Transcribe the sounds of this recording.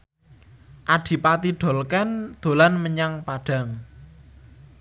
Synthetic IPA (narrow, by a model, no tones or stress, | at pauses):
ʔad̪̥i̤pat̪iɖ̪̥o̤lkɛnd̪̥o̤lanməɲaŋpaɖ̥a̤ŋ